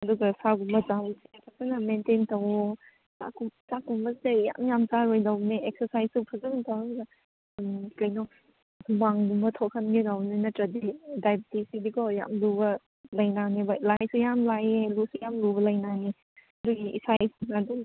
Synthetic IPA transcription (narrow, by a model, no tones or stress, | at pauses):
ɐduɡɐsaɡumbɐt͡ʃausikʰak̚sanɐmententɐw | a̰kʰut͡ʃakːumbɐseja̰mjamt͡ʃaɾojdawneek̚sɐɾsajsupʰɐzɐɡiŋtawduɡɐ | mkɐjnɔ | waŋɡumbɐtʰɔkʰɐnɡidawnenɐtɾɐdidajbitisidikɔja̰mlubɐ | lɐjnanebɐlajsujamlajelusujamlubɐlɐjnane | ɐduɡiisajsnadu